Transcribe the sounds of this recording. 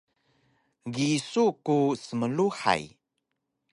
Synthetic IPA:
ɡisukusəməluħa̰j

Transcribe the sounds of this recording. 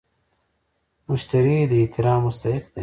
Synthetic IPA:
mʊʃt̪ɐɾiːd̪et̪ɪɾaːmːʊst̪ɐhɪqd̪e

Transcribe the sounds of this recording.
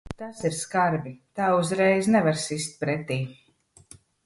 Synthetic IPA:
t̪asiɾskaɾbit̪aːuzɾɛjznɛvaɾsist̪̚pɾɛt̪iː

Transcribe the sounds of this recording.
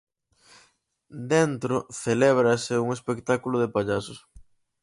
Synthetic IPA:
d̪ent̪ɾoθelɛβɾɐsɪuŋespekt̪akulʊðepaʎasʊs

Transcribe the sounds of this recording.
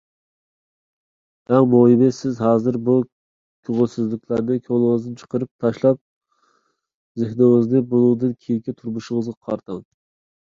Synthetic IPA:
ɛŋmoimɪsɪzɦɑːzɨɾbu | kʲʰøʁʊlˠsɪzlɪkʲlæɾnɪkʲʰøʁlˠɨŋəzd̪ɨnt͡ʃʰə̥qəɾɨp̚t̪ʰɑʃlˠɑp̚ | zehnɪŋɨznɨbolˠuːd̪ɨnkʲʰejikʲɛt̪ʰuɾmuʃɪŋəzʁɑqʰɑɾt̪ʰɑŋ

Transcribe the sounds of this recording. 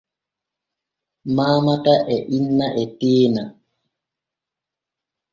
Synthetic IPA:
maːmataʔɛʔinːaʔɛteːna

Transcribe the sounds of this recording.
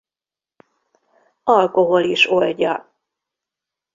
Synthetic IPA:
ɒlkoɦo̞liʃo̞lɟɒ̰

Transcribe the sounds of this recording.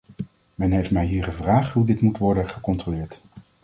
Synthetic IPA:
mɛnɦejftmɛjɦiːɹχəvraːχtɦudɪtmutʋɔɹdənχəkɔntrolɪːɹt

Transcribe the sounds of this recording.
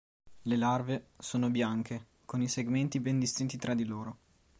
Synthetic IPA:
lelarvesoːnobjaŋk̟e | koniseɡment̪ibɛnd̪ist̪int̪it̪ɾad̪iloːɾo

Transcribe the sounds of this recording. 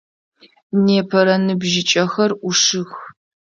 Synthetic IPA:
neːpʰɐɾɐnɨbʒɪt͡ʃʼɐxɐruʂɨx

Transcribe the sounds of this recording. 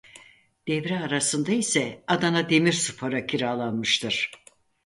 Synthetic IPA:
d̪̥ɛvɾɛaɾasɯnd̪aisɛad̪anad̪e̞miɾsupʰaɾacʰiɾaːlˠanmɯʃt̪ʰɯɾ̥

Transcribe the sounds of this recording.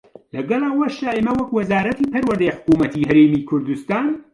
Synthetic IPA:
lɐɡɐlɐwɐʃaːemɐwɐkwɐzaːɾɐt̪ʰiːpʰɐɾwɐɾd̪ɐjħʊ̥kuːmɐt̪ʰiɦɐɾeːmiːkʰʊɾd̪ust̪aːn

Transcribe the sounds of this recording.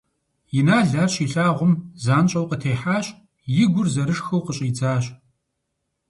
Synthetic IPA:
jɪnaːɮaːrɕiɬaːʁʷʊmzaːnt͡ʃʼɐwqətʰeːħaːɕʼ | jɪɡʷʊrzɐɾɨʂxɐwqəɕʼjɪd͡zaːɕ

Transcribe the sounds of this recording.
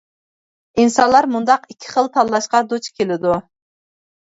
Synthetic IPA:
insɑnlˠɑɾmund̪ɑqikʲʰːi̥χəlˠt̪ʰɑlˠlˠɑʃqɑd̪ot͡ʃkʲʰelɪd̪u

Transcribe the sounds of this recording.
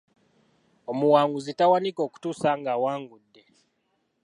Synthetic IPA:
omuwaːŋɡuzitawaniko̞ku̥tuːsaŋɡawaːŋɡudːe

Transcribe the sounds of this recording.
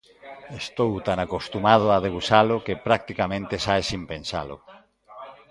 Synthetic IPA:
est̪owt̪anakost̪umað̞ʊaðeβusalʊkepɾak̚t̪ikamẽnt̪ɪsaesimpẽnsa̰lʊ̰

